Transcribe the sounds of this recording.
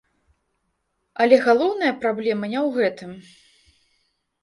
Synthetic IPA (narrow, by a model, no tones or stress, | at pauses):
ɐlʲɛɣalˠɔwnɐjɐpɾablʲɛmɨnʲɛwɣɛt̪ɨm